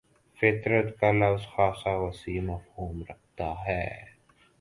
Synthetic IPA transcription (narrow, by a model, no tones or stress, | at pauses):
fɪt̪ɾət̪kalɐfzxaːsawɐsiːmɐfhuːmɾɐk̚ʰt̪aɦɛː